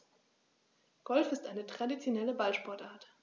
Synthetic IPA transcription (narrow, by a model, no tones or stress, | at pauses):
ɡ̥ɔlfɪstʔaɪnətʁ̥adit͡sjonɛləbalʃpɔɐtʔaːɐt